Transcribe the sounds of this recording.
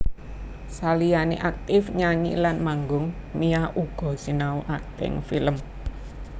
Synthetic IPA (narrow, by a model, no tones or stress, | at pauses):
salijanḛʔak̚t̪ɪfɲaɲḭlanmaŋɡʊŋmijaʔuɡ̥ɔ̤sinauʔakt̪ɪ̰ŋfiləm